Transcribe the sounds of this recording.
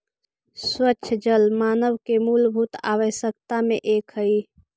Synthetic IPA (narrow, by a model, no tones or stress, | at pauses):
sswətːʃʰd͡ʒəlmaːnəʋkemulbʱut̪a̰ʋəʃjək̚t̪ameʔekɦəi